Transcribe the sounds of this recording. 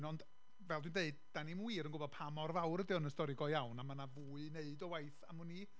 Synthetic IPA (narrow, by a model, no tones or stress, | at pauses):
nɔnd | vɛlˠdwɨndeɨdd̥animwiːɾənɡʊbɔd̥̚pʰamɔrvawɾədɪɔnəstɔɾɪɡɔjawnamanavuːɨneɨdɔwajθamuni